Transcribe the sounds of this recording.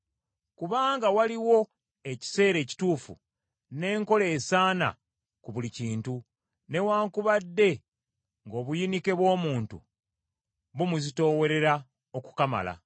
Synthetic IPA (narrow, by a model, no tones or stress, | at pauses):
kuβaːŋɡawaliwo̞ | e̞ci̥se̞ːɾe̞ːci̥tuːfṵ | ne̞ːŋko̞le̞ːsaːna̰ | kuβuliciːntu | ne̞waːŋkuβadːe̞ | ŋɡo̞ːβujinike̞βwo̞ːmuːntṵ | βumuzito̞ːwe̞ɾe̞ɾa | oku̥kama̰la̰